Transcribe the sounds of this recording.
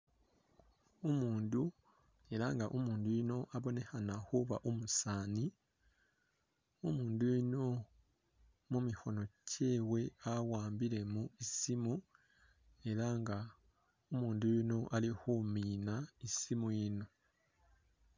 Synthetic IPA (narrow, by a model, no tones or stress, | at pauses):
omuːndu | e̞ɾaŋɡaʔomuːndujino̞ʔaβo̞ne̞hanahuβaʔomusaːni | omuːndujino̞ | mumixo̞no̞cʰe̞ːwe̞awaːmbiɾe̞muisimu | e̞ɾaŋɡa | omuːndujino̞ʔalihumiːnaisimujino̞